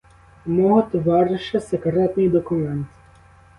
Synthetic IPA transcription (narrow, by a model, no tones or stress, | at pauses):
mɔɦɔt̪ʋarʃɐsɛkɾɛt̪nɨjd̪ɔkʊmɛnt̪